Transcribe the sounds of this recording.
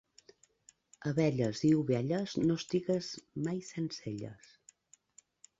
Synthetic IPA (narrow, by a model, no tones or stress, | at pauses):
əβɛʎəziuβɛʎəznost̪iɣəzmajsenseʎə̰s